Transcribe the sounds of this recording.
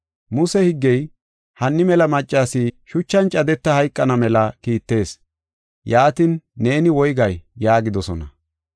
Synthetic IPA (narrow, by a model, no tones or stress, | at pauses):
mʊsɛhɪɡːɛj | hɐnːɪmɛlɐmɐt͡ʃʼːaːsɪʃʊt͡ʃːɐnt͡ʃʼɐd̪ɛt̪ːɐhɐjkʼːɐnɐmɛlɐkiːt̪ːe̞ːs | jaːt̪ɪnːe̞ːnɪwɔjɡɐjːaːɡɪd̪ɔsɔnɐ̰